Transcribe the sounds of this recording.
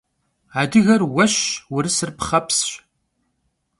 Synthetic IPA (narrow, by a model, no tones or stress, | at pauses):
aːdɨɣɐrwɐɕwʊɾɨsɨrpχɐpsɕ